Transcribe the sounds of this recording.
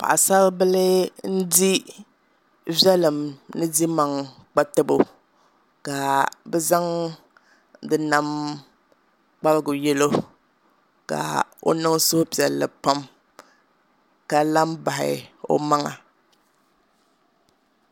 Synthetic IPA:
pa̰˨ʔa˨sa˦lbɨ˦lɨ˦n̩˦di˦ | vɛ˦lɨ˨mnɨ˦di˦ma˨ŋk͡pa˦tɨ˦bo˨ | ka˨bɛ˦za˦ŋ | dɨ˨na˦m | k͡pa˦lɨ˦ɡʊ˨jɛ˦lo˦ | ka̰˨o̰˦nɨ˦ŋsʊ˦hpi˨ɛ˨lːɨ̰˨pa˦m | ka˨la˦mba˨hɪ̰˨o̰˦ma˦ŋa̰˨

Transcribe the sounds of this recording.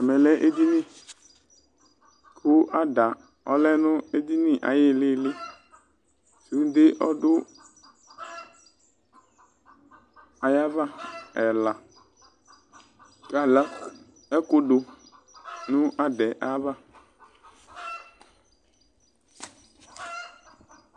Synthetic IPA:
ɛ˨mɛ˨lɛ˦ʔe˦d̪i˦nɪ̃˦˨ | kʰʊ˦ʔa˦da˨ | ɔ̰˦lɛ˦nʊ̃˦e˦d̪i˦nɪ̃˦ʔa̰˨jɪ˦˨lɪ˦lɪ˦ | su˨˦n˦d̪ɪ˦ʔɔ˦dʊ˦ | a˨ja˦va˦ɛ˨la˨ | ka˨la˦ | ɛ˦kʊ˦ɖʊ˨ | nʊ̃˦ʔa˦dɛ˨ʔa˦va˦˨

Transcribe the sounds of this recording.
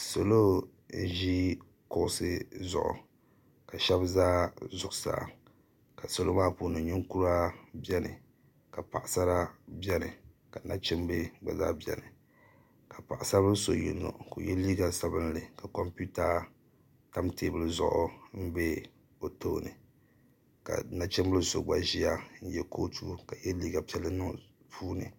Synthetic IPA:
so˨lo˦ | n̩˦ʒi˦ | kʊ˨ʔʊ˦˨sɨ˦zʊ̰˨ʔʊ̰˨ | ka˨ʃɛ˦bzaː˦zʊ˨ʔsa̰˨ | ka˨so˨lo˦maː˦pu˦nɨ˨ɲɪ˦ŋku˦ɾa˦bjɛ˦nɨ̰˨ | ka˨pa˨ʔɪ˨sa˦ɾa˦bjɛ˦nɨ̰˨ | ka˨na̰˦t͡ʃɪ˦m˦be˦ɡ͡ba̰˨za̰ː˦bjɛ̰˨nɨ˨ | ka˨pa˨ʔɪ˨sa˦bɨ˦so˨jḭ˨nːo̰˨ko˨jɛ˦liː˦ɡa˨sa˦bɨ˦nlɨ˨ka˨kɔ˦mpu˦ta˦ | ta˦mte˦bɨ˦lɨ˦zʊ̰˨ʔʊ̰˦m̩˦be˦ | o˨to˦˨nɨ˨ | ka̰˨na˦t͡ʃɪ˦mbɨ˦lso˨ɡ͡ba˨ʒi˦a˦n̩˦jɛ˦ko˦tʰu˦ka˨jɛ˦liː˦ɡa˨pɛ˦lːɨ˦nɨ˦ŋ˨ | pʰuː˦nɨ̰˨

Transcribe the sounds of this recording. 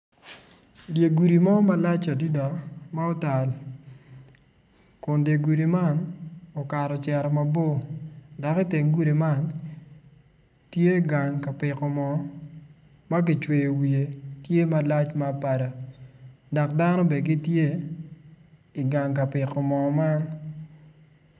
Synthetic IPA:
dje˨ɡu˨ɾi˨mɔ˦ma˦la˦t͡ʃa˨di˦da˨ma˦ɔ˦ta˨l | kʊ˨ndje˨ɡu˨ɾi˨ma˦nɔ˨ka˨ɾɔ˨t͡ʃɛ˨ɾɔ˨ma˦bo˦da˨ki˦te˨ŋɡu˦ɾi˨ma˦n | tje˦ɡa˨ŋka˨pɪ˨kɔ˨mɔ˨ | ma˦ɡɪ˨t͡ʃwe˨jo˨wi˨e˨tje˦ma˨la˦t͡ʃma˦˨pa˨da˨ | dɔ˨kda˦nɔ˦bɛ˨ɡɪ˦tje˦ | i˨ɡa˨ŋka˨pɪ˨kɔ˨mɔ˨ma˦n

